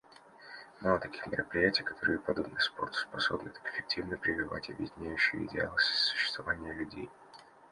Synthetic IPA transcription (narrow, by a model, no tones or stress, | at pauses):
malˠət̪ɐkʲi̥xmʲɪɾəpɾʲɪjætʲɪjkɐ̥t̪o̞ɾɨjəpɐd̪o̞bnɨspo̞rt̪spɐso̞bnɨt̪akɪ̥fʲɪk̚tʲivnəpɾʲɪvʲɪva̰tʲɐbʲjɪdʲɪnʲæjʉɕːɪjə̰ɪ̰dʲɪalˠəsʲsʊ̥ɕːɪ̥st̪vɐvanʲɪjəlʲʉdʲḛj